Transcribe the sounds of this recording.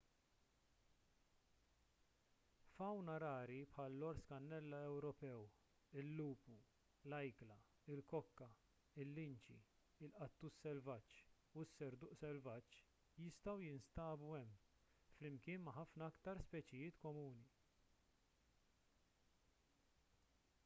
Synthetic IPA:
fɐwnɐɾɐːɾipħɐːlːɔɾskɐnːɛlːɐɛwɾɔpɛw | ɪlːuːpu | lɐjklɐ | ɪlkɔkːɐ | ɪlːɪnt͡ʃḭ | ɪlʔɐt̪ːusːɛlvɐt͡ʃː | usːɛɾd̪ʊːʔsɛlvɐt͡ʃː | jɪst̪ɐwjɪnst̪ɐːbuɛmː | flɪmkɪːnmɐħɐfnɐɐkt̪ɐɾspɛːt͡ʃɪjɪːt̪kɔmuːni

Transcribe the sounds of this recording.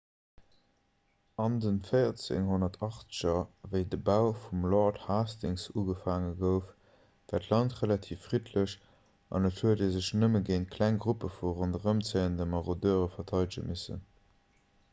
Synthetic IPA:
ɑndənfəɪɐt͡sḛŋɦonɐtʰɑχt͡sə̥ɕɐvəɪdəbaʊfumlɔthaːstɪŋsuːɡəfaːŋəɡəʊf | v̥æːtʰlɑntʁəlɑtʰiːfːʁ̥itʰləɕ | ʔɑ̰nətʰhuɐdeːzəɕnəməɡeɪntkʰlæŋɡʁupəfuʁondəʁəmt͡seɪəndəmɑʁodøːʁəfɐtʰɑɪdiʒə̰misə̰n

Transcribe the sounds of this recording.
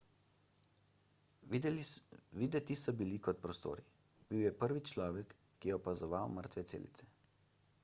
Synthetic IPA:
ʋiːd̪ɛt̪isɔbilikɔt̪̚pɾɔst̪o̰ːɾi | b̥iwjɛpəɾʋit͡ʃlɔːʋɛkː | ijɛɔpazɔʋawməɾt̪ʋɛsḛːlḭt̪sɛ̥

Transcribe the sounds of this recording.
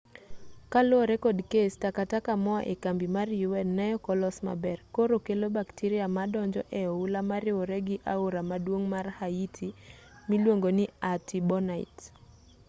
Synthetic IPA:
kalɔɾɛkɔdkestakatakamɔa̰ʔekambimarjuwɛnːajɔkɔlɔsma̰bɛrkoɾokelobaktiɾiamadɔɲd͡ʒɔ̰ʔɛɔulamaɾɪwoɾɛɡɪʔaoɾamadwoŋmarhaitʰi | milwoŋɡonɪatibɔnaḭt

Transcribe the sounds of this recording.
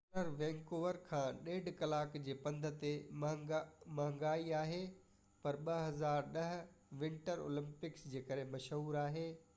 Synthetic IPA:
nəɾʋẽːŋkoːʋəɾkʰãːɗeːɖʱkɐlaːkd͡ʑeːpɐ̃nd̪ʱə̆t̪e | mɐɦə̃ŋɡaːiaːɦe | pɐɾɓɐɦɐzaːɾɗɐɦ̆ʋɪ̃ɳʈəɾo̰ːlɪ̃mpɪksd͡ʑeːkɐɾẽmɐʃɦuːɾaːɦeː

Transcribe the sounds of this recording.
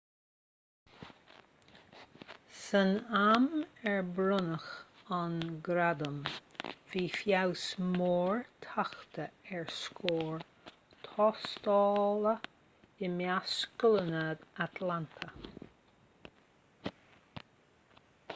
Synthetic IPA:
sənamɛɹbɾʊnəxanɡɾad̪əmviːfjawsmoːɹt̪ʰaxt̪ʰəɛɹskʰoːɹ | t̪ʰɔst̪ɑːlə | ɪmjaskʊlənad̪at̪ʰlant̪ʰə

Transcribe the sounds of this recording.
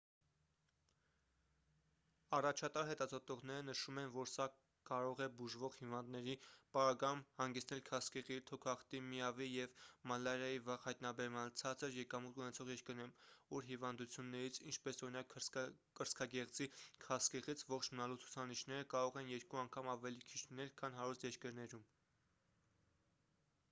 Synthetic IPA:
ɑrɑt͡ʃʰɑt̪ɑɾɦɛt̪ɑzɔt̪ɔʁnɛɾənəʃumɛnvɔɾsɑ | kɑɾɔʁɛbuʒvɔʁhivɑnd̪nɛɾipɑɾɑɡɑjumhɑŋɡɛt͡sʰnɛlkʰɑskɛʁit̪ʰɔkʰɑχt̪imiɑvijɛvmɑlːɑɾjɑjivɑʁhɑjt̪nɑbɛɾmɑnt͡sʰɑt͡səɾjɛkɑmut̪unɛt͡sʰɔʁjɛɾkəɾnɛmuɾɦivɑnd̪ut͡sʰjunːɛɾit͡sʰint͡ʃʰpɛsɔɾinɑkkəɾskʰɑɡɛʁd͡zikʰɑskɛʁit͡sʰvɔχt͡ʃʰmənɑlut͡sʰu̥t͡sʰɑniʃnɛɾəkɑɾɔʁɛnjɛɾkuɑŋkʰɑmɑvɛlikʰit͡ʃʰlinɛlkʰɑnɦɑɾust̪jɛɾkəɾnɛɾum

